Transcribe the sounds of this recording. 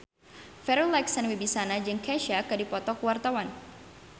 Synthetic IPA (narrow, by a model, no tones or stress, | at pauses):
fɛɾulaksanwibisanad͡ʒɨŋkɛʃakadipɔt̪ɔkwart̪awan